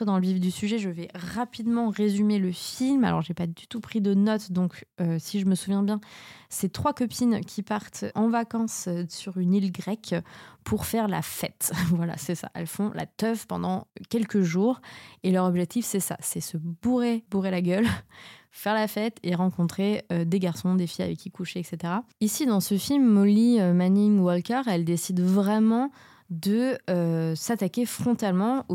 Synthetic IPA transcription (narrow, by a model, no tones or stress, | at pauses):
əd̪ɑ̃ləvivd̪ysyʒɛʒəvɛʁapid̪mɑ̃ʁezymeləfilma̰lɔ̰ʁʒepad̪yt̪upχid̪ənɔt̪d̪ɔ̃køsiʒəməsuvjɛ̃bjɛ̃set̪χwakɔpʰinkʲʰipaʁt̪ɑ̃vakɑ̃ssyʁynilɡʁɛkʲpʰuʁfɛʁla̰fɛt̪vwala̰sɛsa̰ʔɛ̰lfɔ̃lʔa̰t̪œvpɑ̃d̪ɑ̃kʲɛlkəʒuːʁelœʁɔbʒɛk̚t̪ifsɛsa̰sɛsəbuʁebuʁelaɡʲœl | fɛʁlafɛt̪eʁɑ̃kɔ̃t̪χeød̪eɡaʁsɔ̃d̪efija̰vɛkʲːikuʃeɛkset̪eʁaisid̪ɑ̃səfilmːɔliømaniŋwɔlkɛʁɛld̪esid̪vʁɛmɑ̃ | d̪əøsat̪akʲefχɔ̃t̪almɑ̃o